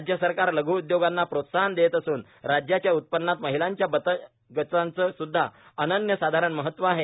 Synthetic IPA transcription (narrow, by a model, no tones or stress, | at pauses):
ad͡ʑjəsəɾkaɾləɡʱuːud̪joɡanːapɾot̪saɦənd̪et̪əsuːn | ɾad͡ʑjat͡ɕjaut̪̚pənːat̪məɦilaɲt͡ɕjabət̪ə | ɡət͡sant͡səsud̪ʱːa̰ənənjəsad̪ʱaɾəɳməɦət̪ːʋəaɦe